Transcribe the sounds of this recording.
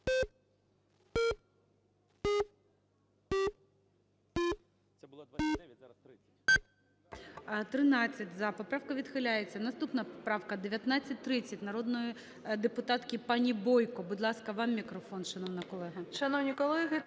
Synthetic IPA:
t̪ɾɪnɑt͡sʲːɐtʲzɐpɔpɾɑwkɐʋʲid̪xɪlʲajet͡sʲːɐnɐst̪upnɐpɔpɾɑwkɐd̪eʋʲjɐt̪nɑt͡sʲːɐt̚ʲt̪ɾɪt͡sʲːɐtʲnɐɾod̪nɔji | d̪epʊt̪ɑt̪kʲipɑnʲibɔjkɔbʊd̪lˠɑskɐʋɑmːʲikɾɔfɔnʃɐnɔwnɐkɔlˠɛɦɐʃɐnɔwnʲikɔlˠɛɦɪ

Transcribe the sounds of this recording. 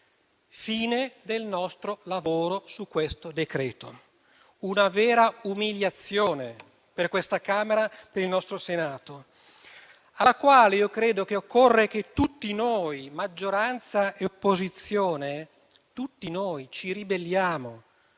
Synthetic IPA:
fiːned̪elnɔst̪ɾolavoːɾosukːwest̪od̪ekɾɛːt̪o̰ | unavɛːɾaumiljat̪sːjoːne | perkwest̪akaːmeɾapeɾilnɔst̪ɾosenaːt̪o | akwaːleiːokɾeːd̪ok̟eokʰːorːeket̪ːut̪ːinojmad͡ʒːoɾant̪saeopːozit̪sːjoːne | t̪ut̪ːinoːjt͡ʃiɾibelːjaːmo

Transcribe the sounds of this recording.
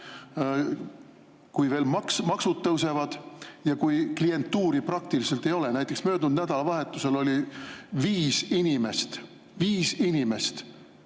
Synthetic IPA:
kujve̞ːlmɑksmɑksud̪̚t̪ːɤwse̞vɑd̪̥jɑkujklie̞nt̪ːuːɾiprɑk̚t̪iliselt̪ːˑe̞jo̞lenæjt̪ːˑeksmø̞ːd̪nund̪næd̪̥ɑlɑvɑɦe̞t̪ːˑuse̞lo̞lʲiviːsinʲimest̪ | viːsinime̞st̪

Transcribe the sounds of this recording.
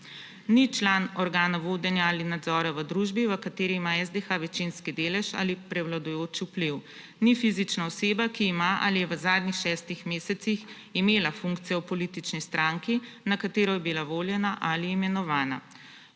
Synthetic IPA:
nit͡ʃlaːnɔɾɡaːnaʋoːd̪ɛnjaaːlinad̪zɔːɾaʋəd̪ɾuʒbiʋəkat̪eːɾiːmaɛzd̪exaʋɛt͡ʃinskid̪eːlɛʃa̰lipɾɛwlad̪ɔjoːt͡ʃupliw | nifizit͡ʃnaɔseːbakiːmaʔa̰lijɛʋəzaːd̪nixʃɛːst̪ixmeːsɛt̪six | imeːlafuŋkt̪sijɛwpɔlit̪it͡ʃnist̪ɾaːŋkinakat̪eːɾɔjɛbilaʋoːljɛnaʔaliːmɛnɔʋaːna̰

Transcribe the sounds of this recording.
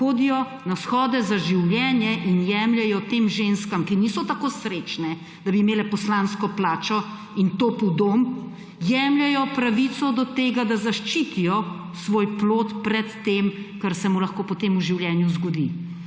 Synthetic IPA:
xoːd̪ijɔ | nasxɔːd̪ɛzaʒiwljɛːnjɛʔinjɛːmljɛjɔt̪eːmʒenskamkinisɔt̪akoːsɾet͡ʃnɛ | d̪̥abiːmeːlɛpɔslanskɔplaːt͡ʃɔ | int̪opud̪om | jɛːmljɛjɔpɾaʋit̪sɔd̪ɔt̪eːɡad̪azaʃt͡ʃit̪ijɔ | sʋoːjploːt̪pɾɛt̪ːemkaɾsɛmulɐxkoːpɔt̪eːmuʒiwljɛnjuzɡɔd̪ḭ

